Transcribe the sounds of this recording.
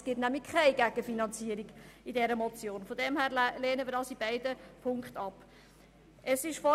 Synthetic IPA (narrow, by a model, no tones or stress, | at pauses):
sɡ̥ɪtnæmlɪkkʰaɪɡæɡ̥əfinɑnt͡siːəɾiɡ̥ɪdɛɾəmɔt͡sjoːnfɔdɛmhæːɾleːnəmiːɾdɑːsibaɪdəpʰʊŋkχtɑp | əsɪʃfɔ